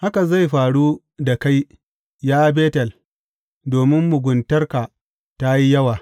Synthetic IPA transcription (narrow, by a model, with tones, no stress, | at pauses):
ha˦ka˨za˦˨jɸaː˨ɽu˦ | da˨ka˦j | jaː˦beː˦tɐ˨l | doː˨mɪ˦mːʊ˨ɡʷʊ˨ntɐ˦rka˨ | ta˦ji˦jɐ˦waː˨